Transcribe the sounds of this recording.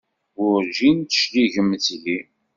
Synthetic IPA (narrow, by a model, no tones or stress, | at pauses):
ʊɾʒint̪ə̥ʃliʝəmːθli